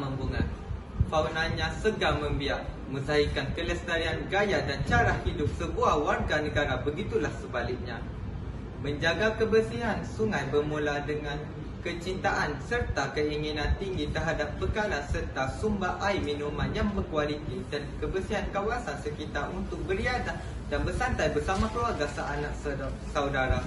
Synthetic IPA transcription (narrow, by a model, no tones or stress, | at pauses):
məmbuŋãn | fawnãnɲãsəɡamə̃mbiaʔ | mə̃saɦikankələst̪aɾianɡajaʔdant͡ʃaɾahidʊp̚səbuawarɡanə̃ɡaɾabəɡit̪ulahsəbalɪk̚ɲã | mə̃ɲd͡ʒaɡakəbərsiɦansuŋajbərmũladəŋãn | kət͡ʃint̪aʔansərt̪akəiŋinãnt̪iŋɡit̪ərɦadap̚bəkalansərt̪asumbaʔajmĩnũmãnjaŋbərkualit̪idankəbərsiɦankawasansəkit̪arʔunt̪ʊk̚bəɾiadah | danbərsant̪ajbərsamãkawaɡasaʔanaʔ̚ | sawdaɾa